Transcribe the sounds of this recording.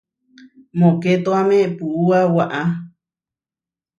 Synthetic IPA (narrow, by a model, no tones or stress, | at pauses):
mõket̪oamẽpuʔuawaʔa